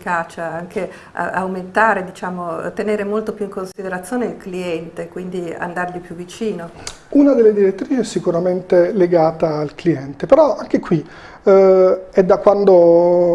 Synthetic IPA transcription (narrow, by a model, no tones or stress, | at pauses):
ikaːt͡ʃaaŋke | a̰a̰wment̪aːɾed̪it͡ʃaːmot̪eneːɾemolt̪opjuiŋkonsid̪eɾat̪sːjoːneilkliɛnt̪ekwind̪ia̰nd̪arʎipjuvːit͡ʃiːno | unad̪elːed̪iɾet̪ːɾiːt͡ʃiɛsːikuɾament̪eleɡaːt̪aːlkliɛnt̪epeɾɔaŋk̟ekwi | ɛd̪akːwand̪o